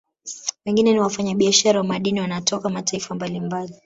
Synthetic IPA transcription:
wɛŋɡinɛniwafaɲaɓiaʃaɾawamaɗiniwanatʰɔkamataifambalimbali

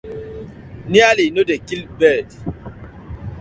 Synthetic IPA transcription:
nialinodekilbɛdi

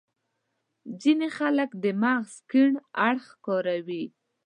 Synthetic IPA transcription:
zinexaləkd̪əmaɣskiɳaɽxkɔɾawi

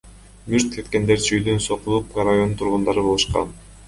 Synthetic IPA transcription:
myɾt̪̚kʰe̞t̪ke̞nd̪e̞ɾt͡ʃyjd̪ynso̞qulˠup̚ɾajo̞nt̪ʰuɾʁund̪ɑɾɯβo̞lˠuʃqɑ̰n

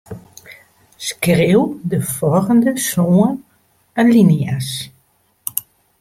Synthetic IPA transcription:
skrewdəfɔlɣəndəsoːən | ənlinijas

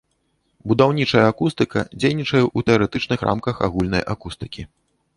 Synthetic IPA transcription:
bud̪awnʲit͡ʂɐjɐːkust̪ɨkɐ̰d͡zʲejnʲit͡ʂɐjɛʔut̪ɛɐɾɛt̪ɨt͡ʂnɨxɾʔa̰mkɐxa̰ɣulʲnɐjʔakust̪ɨkʲi

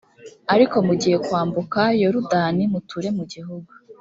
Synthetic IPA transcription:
aɾiko̞muɟije̞kwaːmbukajo̞ɾudaːnimutʰuɾe̞muɟiɦuɡu

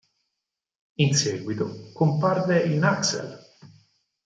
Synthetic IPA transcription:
insɛːɡwit̪okomparveinaksḛl

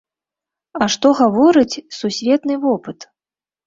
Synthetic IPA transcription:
ɐʂt̪ɔɣavɔɾɨt͡sʲsusʲvʲɛt̪nɨvɔpɨt̪

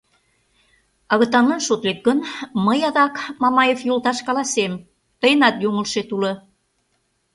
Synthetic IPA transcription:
ɑɣə̆t̪ɑnənʃot̪lek̪̚ɡənməjɑðɑkmɑmɑjefjult̪ɑʃkɑlɑsem | t̪əjənɑt̪juŋəlʃet̪ulɤ̆

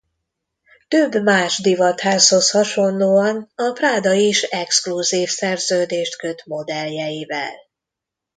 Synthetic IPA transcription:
t̪øbːmaːʒd̪ivɒt̪haːsho̞shɒʃo̞nloːɒnɒpraːd̪ɒiʃɛkskluziːfsɛrzøːd̪eːʃt̪kø̞t̪mo̞d̪ɛljɛjivɛ̰l

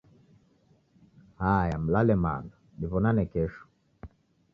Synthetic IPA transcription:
hajam̩lalɛma̰ndɔ | diβɔnanɛkɛʃɔ̥

